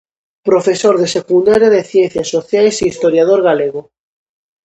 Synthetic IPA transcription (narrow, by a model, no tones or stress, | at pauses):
pɾofesoɾðesekund̪aɾjaðeθjenθjasːoθjajseist̪oɾjað̞oɾɣ̞aleɣ̞o